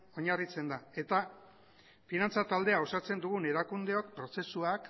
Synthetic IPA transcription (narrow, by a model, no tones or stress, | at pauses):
o̞ɲarit͡se̞nd̪ae̞t̪a | finant͡sat̪ald̪e̞ao̞sat͡se̞nd̪uɣ̞une̞ɾakund̪e̞o̞k̚pɾo̞se̞suak